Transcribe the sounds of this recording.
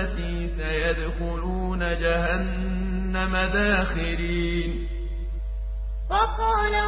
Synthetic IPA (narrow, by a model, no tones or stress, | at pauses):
at̪iːsajad̪xʊluːnad͡ʒahanː | amad̪aːxɪɾiː | n | bɑkɑːna